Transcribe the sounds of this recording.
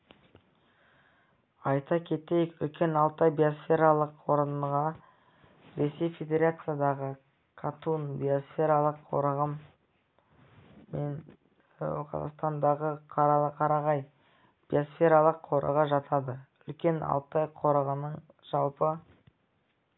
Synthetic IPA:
ɑjt̪ɑkʲʰe̞t̪ejkʏ̰lkʲe̞nɑlˠt̪ɑjbijosfʲe̞ɾalˠəqwo̞ɾənʁɑ | ɾe̞sʲe̞jfʲe̞d̪ʲe̞ɾat̪sɨjad̪ɑʁə | kʰat̪unbijosfʲe̞ɾalˠəqʰːo̞̰ɾəʁəm | en | qʰɑ̰zɑ̰qst̪ɑnd̪ɑʁəqʰɑqʰɑɾɑʁɑj | b̥io̞sfʲe̞ɾalˠəqʰo̞ɾʔə̰ʁəʒɑt̪ʰɑd̪əʏlkʲe̞nʔɑ̰lˠt̪ɑjqʰo̞ɾəʁənəɴ | ʒ̥ɑlˠpə

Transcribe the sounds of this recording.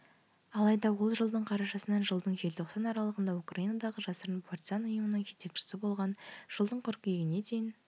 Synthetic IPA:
ɑlˠɑjd̪ɑwo̞lˠʒəlˠd̪əɴqʰɑɾɑʃɑsənɑnʒəlˠd̪əɴʒe̞lt̪ʰo̞qsɑnɑɾɑlˠəʁənd̪ɑukrajinɑd̪ɑʁəʒɑsəɾənpʰart̪ʲizɑnʊjəmənəɴʒe̞t̪e̞kʃɪ̥sɪbo̞lˠʁɑnʒ̥əlˠd̪əɴqʰʏɾkʲijɡʲɪne̞d̪ejɪn

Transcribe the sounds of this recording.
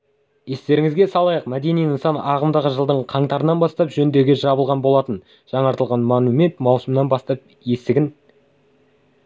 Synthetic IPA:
je̞st̪e̞ɾɪŋɪzɡʲe̞sɑlˠɑjəqmæd̪e̞nijənsɑnɑʁəmd̪ɑʁəʒəlˠd̪əɴqʰɑɴt̪ɑɾənɑnbɑst̪ɑpʒɵnd̪e̞ɡʲeʒɑbəlˠʁɑnbo̞lˠɑt̪ən | ʒ̥ɑɴɑɾt̪əlˠʁɑnmanume̞nt̪mɑwsəmnɑnbɑst̪ɑp̚ | je̞st̪ɪɡʲɪn

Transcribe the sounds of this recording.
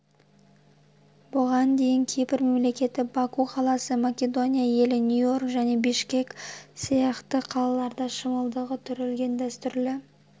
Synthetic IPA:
bʊʁɑnd̪e̞jɪŋkʲʰepɪɾme̞mle̞kʲe̞t̪ɪbɑkuqʰɑlˠɑsəmakʲe̞d̪o̞nʲijaje̞lɪnʲjujo̞rkʒæne̞bɪʃkʲe̞ksijɑqt̪əqʰɑlˠɑlˠɑɾd̪ɑʃəməlˠd̪əʁət̪ʰʏɾelɡʲe̞nd̪æst̪ʏɾlɪ

